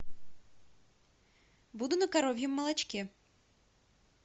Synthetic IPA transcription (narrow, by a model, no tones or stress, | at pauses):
bud̪ʊnɐkaɾɔvʲjɐmːɐlˠɐt͡ʃkʲɛ